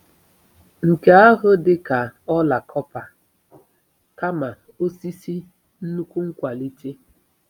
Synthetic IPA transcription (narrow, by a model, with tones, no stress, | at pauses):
ŋ̩˨ke˨a˦ɦʊ˦dɪ˦ka˨ɔ˦la˨kʰɔ˦pa˨ | ka˦ma˨ | o˦si˦si˦ | n̩˦nu˦kʷu˦ŋ̩˦kʷa˨li˦te˦